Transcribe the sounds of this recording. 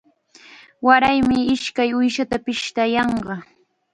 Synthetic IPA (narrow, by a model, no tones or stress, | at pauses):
waɾajmɪɪʃkajʊjʃat̪apɪʃt̪ajɑɴɢɑ